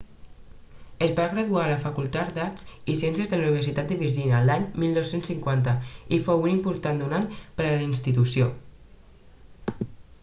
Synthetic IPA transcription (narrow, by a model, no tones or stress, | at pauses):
əzβaɣɾəðualəfəkulˠt̪at̪d̪at͡sisiɛnsjəzðəluniβəɾsit̪at̪̚d̪əβiʒinəlaɲmilˠnɔwsensiŋkwant̪əifowunimpuɾt̪and̪unaɲpəɾələinst̪it̪usijo